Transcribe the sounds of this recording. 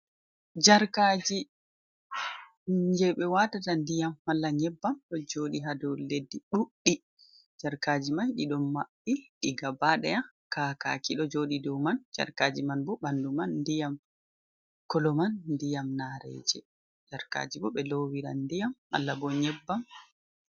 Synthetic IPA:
d͡ʒaɾkaːd͡ʒi | d͡ʒɛɓɛwatatandijamːalːaɲɛbːamɗɔd͡ʒoːɗiɦadɔwledːiɗuɗːi | d͡ʒaɾkaːd͡ʒimanɗiɗɔmaɓːiɗiɡabaɗɛja | kaːka̰kiɗɔd͡ʒoːɗidɔwmand͡ʒa̰ɾkad͡ʒimanbɔɓandumanːdijam | kɔlɔmanːdijamnaɾɛ̰d͡ʒɛ | d͡ʒaɾka̰d͡ʒibɔɓɛlowiɾa̰ndijamːa̰lːabɔɲɛbːam

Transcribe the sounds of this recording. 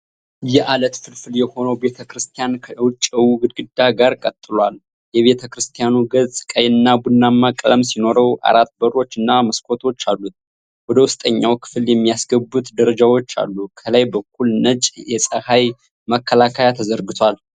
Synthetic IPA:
jɛʔalət̪fɨlfɨljɛho̞nəwbe̞t̪ʰəkɾɨst̪ʰijankʰəwt͡ʃʼːəwuɡɨd̪ɡɨd̪ːaɡaɾkʼət̪ʼːɨlwal | jɛβe̞t̪ʰəkɾɨst̪ʰijanuɡəzʼkʼəjɨnːabunːamːakʼləmsino̞ɾəwa̰ɾat̪bəɾo̞t͡ʃːɨnːaməskʰo̞t̪ʰo̞t͡ʃːalːut̪̚ | wɔd̪əwʊst̪ʼəɲːawkʰɨ̥fɨljɛmːijasɡəbːut̪d̪əɾəd͡ʒawo̞t͡ʃːa̰lːukʰələjbək̚ʰʷːulnət͡ʃʼjɛsʼəhaj | məkʰːəlakʰajat̪ʰəzəɾɡɨt̪ʰwal

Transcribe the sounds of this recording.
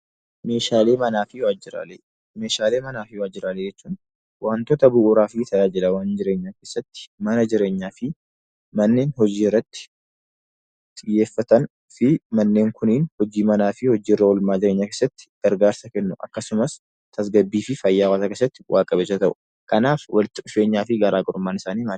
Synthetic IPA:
meːʃaːleːmɐnaːfɪwaːd͡ʒɪɾa̰le | me̞ːʃaːle̞ːmɐnaːfɪwaːd͡ʒːɪɾaːleːd͡ʒɛt͡ʃːuːn | wʔaːnt̪ɔt̪ɐbʊʔuːɾaːfɪt̪ʰɐjaːd͡ʒɪlɐwaːnd͡ʒɪɾe̞ːɲːaːkeːsːɐt̪ːɪ̥mɐnɐd͡ʒɪɾe̞ːɲːaːfɪ | mɐnːe̞ːnhɔd͡ʒiːɪrːɐt̪ːɪ̥ | t̪ʼɪjːe̞ːfːɐt̪ɐn | fɪmɐnːe̞ːŋkʰʊniːnhɔd͡ʒiːmɐnaːfɪhɔd͡ʒiːrːɐwɔlmaːd͡ʒɪɾe̞ːɲːaːke̞ːsːɐt̪ːɪ̥ɡ̥ɐɾɡaːɾsɐkɛnːʊʔɐ̰kːɐsʊmɐs | t̪ʰɐs̬ɡɐbːiːfɪfɐjːaːwat̪akeːs̬ːɐt̪ːɪ̥wʔaːkʼɐbeːsːɐt̪ɐʔʊ̥ | kʰɐnaːfwɐlɪt̪ːɪʔʊfe̞ːɲːaːfɪɡɐɾaːɡʼɔɾʊmːaːnɪsaːniːma

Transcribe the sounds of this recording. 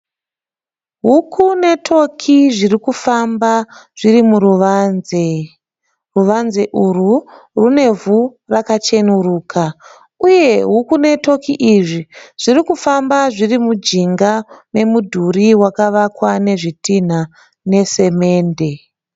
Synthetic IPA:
ɦukʰune̞tʰo̞kʰiʐirikufambaʐ̥irimuruʋane | ruʋanzeʔuru | rune̞vurakat͡ʃe̞nuruːkʰa | uje̞ɦukune̞to̞kiʔiʐiʐ̥irikufambaʐirimud͡ʒiŋɡane̞mudʱuriwakaʋakwane̞ʐitin̤a | ne̞se̞me̞ːnde̞

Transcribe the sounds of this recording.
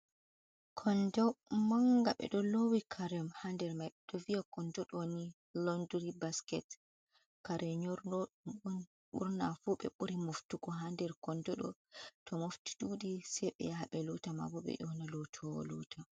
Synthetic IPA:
kʰɔndɔmaŋɡaɓɛ̰ɗɔlowikʰaɾɛmhandɛɾmajɓɛɗɔvijakɔndɔɗoni | lɔnduɾibaskɛt | kaɾʔɛɲɔɾnɔɗumun | ɓṵɾnafuɓɛ̰ɓuɾimoftuɡɔɦandɛɾkɔndɔɗɔ̰tʰɔmofti̥duɗisɛɓɛ̰jaaɓɛlɔtama̰bɔɓɛ̰jɔnalɔtʰɔwɔ̰lɔ̰ːtʰa

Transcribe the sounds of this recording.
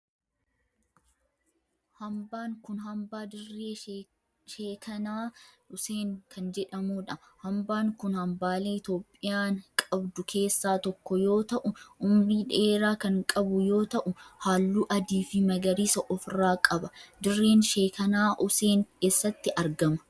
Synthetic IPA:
hɐmbaːŋkʊnɦɐmbaːd̪ɪrːeː | ʃeːkʰɐnaː | ʊseːŋkʰɐnd͡ʒɛᶑɐmuːᶑɐ | hɐmbaːŋkʊnhɐmbaːleːɪt̪jo̞ːpʼːɪjaːŋkʼɐbd̪ʊkʰe̞ːsːaːt̪ɔkːɔjo̞ːt̪ɐʔʊʔʊmɾiːᶑeːɾaːkɐŋkʼɐbʊjo̞ːt̪ɐʔʊhaːlːuːʔɐd̪iːfɪmɐɡɐɾiːsɐʔɔfɾaːkʼɐbɐd̪ɪrːeːnʃeːkɐnaːʔʊseːŋke̞ːsːɐt̪ːɪʔɐɾɡɐmɐ̥

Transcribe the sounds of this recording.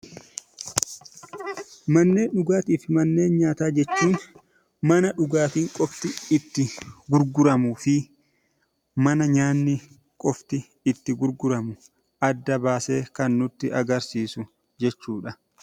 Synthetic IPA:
mɐnːe̞ːnᶑʊɡaːt̪iːfɪmɐnːe̞ːnɲaːt̪aːd͡ʒɛt͡ʃːuːn | mɐnɐᶑʊɡaːt̪iːŋkʼɔft̪ɪɪt̪ːɪɡʊɾɡʊɾɐmʊfɪ | mɐnɐɲaːnːɪ | kʼɔft̪ɪ | ɪt̪ːɪɡʊɾɡʊɾɐmʊ | ʔɐd̪ːɐbaːse̞ːkɐnːʊt̪ːɪʔɐɡɐɾsiːsʊ | d͡ʒɛt͡ʃːuːᶑɐ

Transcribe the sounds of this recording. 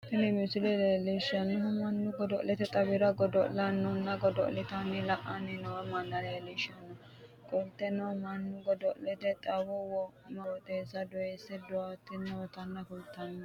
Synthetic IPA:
t̪ɪlɛmɪsɪlɛllɛʃɐnɛɦɔmɐnːʊɡɔd̪ɔʔlɛt̪ɛt̪ʼɐbɪɾɐɡɔd̪ɔʔlɐnːɔnːɐɡɔd̪ɔ̰ʔlɪt̪ɐnːɛlɐʔɐnːɛnɔwɐmɐnːɐlɛlɛʃɐnːɔ | kʼɔlt̪ːɛnːɐmɐnːʊɡɔd̪ɔʔlɛt̪ɛt̪ʼɐwɔwɔ | mɐwɔt̪ʼeːsɐd̪ʊesːɛd̪ʊat̪ːɪnːɐwɔt̪ɐnːɐkʊlt̪ːɐnːɐ

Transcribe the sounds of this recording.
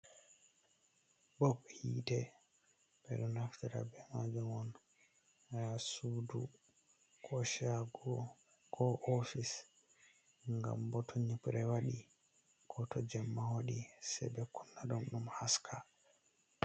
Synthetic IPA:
bɔbhiːtɛ | b̥ɛɗunaftiɾa̰bɛmad͡ʒumɔn | sudu | kʰɔʃaɡɔ | kɔʔofis | ŋɡa̰mbɔtʰɔɲipɾɛwaɗi | kɔtɔd͡ʒɛmːawoɗisɛ̰bɛkunːaɗumɗumhaskʰa

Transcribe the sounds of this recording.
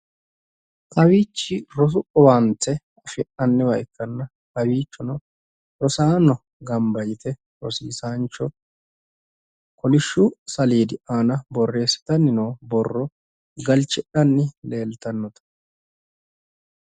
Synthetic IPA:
ʔɐwiːt͡ʃːɪɾɔs̬ʊʔʼɔwaːnt͡sːɛ | ɐfɪʔɐnːɛwɐʔɪkːɐnːɐ | kɐwiːt͡ʃːɔnɔ | ɾɔsaːnɔ | ɡɐmbɐjɪt̪ɛ | ɾɔsḭːsaːnt͡ʃːɔ | kɔlɪʃːʊsɐliːd̪ɪʔaːnɐbɔrːe̞ːsːɪ̥t̪ɐnːɪnoːbɔrːɔ | ɡɐlt͡ʃːɪʔɐnːɪle̞ːlt̪ɐnːɔt̪ɐ̥

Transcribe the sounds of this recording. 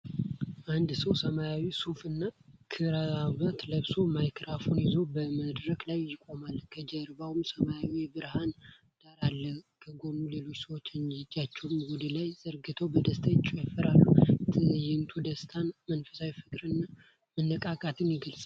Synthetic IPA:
ʔand̪səwsəmajawisufɨnːakʰɨɾaaβat̪ləβso̞majkʰɾafonjɛzo̞bəməd̪ɾəklajːɪkʼo̞malkʰəd͡ʒəɾbawumsəmajawibɨɾhan | d̪̥aɾalːəkʰəɡo̞nule̞lo̞t͡ʃːsəwot͡ʃːɨnd͡ʒat͡ʃːɛwmwud̪əlajzəɾɡɨt̪ʰəwbəd̪əst̪ʰajt͡ʃʼːujafəɾalːuɨjɪnt̪ʰud̪əst̪ʰanmənfə̥sawjfɨkʼɾɨnːa | mənːəkʼakʼat̪ʰɨnjɪɡəlsʼ

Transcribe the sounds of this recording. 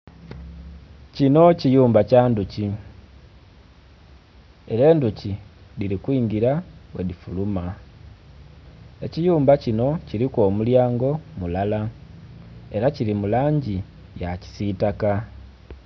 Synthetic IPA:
cino̞cijuːmbacaːnduci | e̞ɾe̞ːnduciliɾikwiːŋɡiɾawḛdifuluma | e̞cijuːmbacino̞ciɾikwo̞ːmuljaːŋɡo̞mulala | e̞ɾaciɾimulaːɲɟi | jaci̥sitaka

